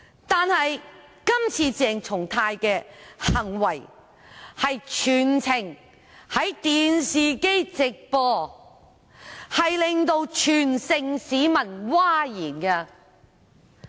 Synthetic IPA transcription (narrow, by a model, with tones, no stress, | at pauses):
t̪aː˨˧nhɐ˨j | kɐ˥mt͡sʰiː˧t͡sɛː˨˩ŋt͡sʰʊ˨˩ŋt̪ʰaː˧jkɛː˧hɐ˨˩ŋwɐ˨˩j | hɐ˨jt͡ʃʰyː˨˩nt͡sʰɪ˨˩ŋ | hɐ˨˥jt̪iː˨nsiː˨ke˥jt͡sɪ˨k̚pɔː˧ | hɐ˨jlɪ˨ŋt̪o˧wt͡ʃʰyː˨˩nsɪ˧ŋsiː˨˥mɐ˨˩nwaː˥jiː˨˩nkɐ˧